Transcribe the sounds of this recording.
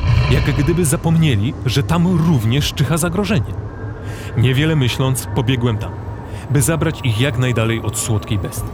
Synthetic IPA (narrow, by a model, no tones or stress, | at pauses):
jaɡɡd̪ɘbɘzapɔmɲelʲiʐɛt̪amɾuvɲɛʂt͡ʂɘxazaɡɾɔʐɛɲɛ | ɲɛvʲjɛlɛmɘɕlɔnt̪spɔbʲjɛɡwɛmt̪am | bɘzabɾat͡ɕixjaknajd̪alɛjɔt̪swɔt̪kʲejbɛst̪